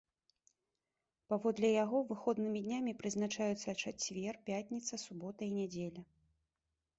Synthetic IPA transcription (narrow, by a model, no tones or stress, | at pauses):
pavɔd̪lʲɛjaɣɔvɨxɔd̪nɨmʲid̪ʲnʲamʲipɾɨznat͡ʂajut̪sɐt͡ʂat͡sʲvʲɛrpʲat̪ʲnʲit̪sɐsubɔt̪ɐinʲad͡zʲelʲɐ